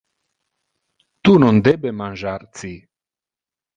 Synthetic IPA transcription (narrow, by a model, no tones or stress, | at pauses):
t̪unɔnd̪ebemanʒart̪t͡s̪i